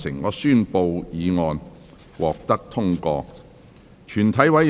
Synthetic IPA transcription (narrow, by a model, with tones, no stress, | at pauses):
sɪ˨˩ŋŋɔː˨˧˥syː˥˧npo˧wjiː˨˧ŋɔː˧n | wɔː˨k̚t̪ɐ˥k̚t̪ʰʊ˥ŋkɔː˧ | t͡ʃʰyː˨˩nt̪ʰɐ˨˥jwɐ˨˥